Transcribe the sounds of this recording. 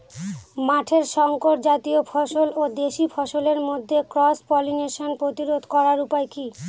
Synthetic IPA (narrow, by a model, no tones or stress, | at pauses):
maʈʰeɾʃɔŋkoʈd͡ʑat̪iofʰɔʃolod̪eʃifʰɔʃoleɾmod̪ʱːekɾɔspɔlineʃonpɾot̪iɾod̪ʱkɔɾaɾupaeki